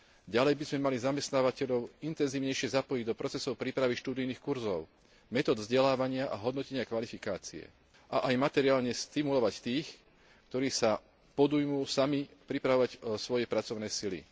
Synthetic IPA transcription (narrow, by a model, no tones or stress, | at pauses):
ɟalɛjbizmɛmalizamɛst̪naːʋacɛʎɔʊint̪ɛnziːʊɲɛjʃɪɛzapɔjiɟd̪ɔpɾɔt͡sɛsɔʊpɾiːpɾaʋiʃt̪uːd̪ijniːxkuɾzɔʊ | mɛt̪ɔːd̪vzɟɛlaːʋaɲɪaʔaɦɔd̪nɔcɛɲɪakʋalifikaːt͡siɛ̰ | ʔaʔajmat̪ɛɾiaːlɲɛst̪imulɔʋact̪iːx | kt̪ɔɾiːsa | pɔd̪ujmuːsamipɾipɾaʋɔʋacsʋɔjɛpɾat͡sɔʊnɛːsilḭ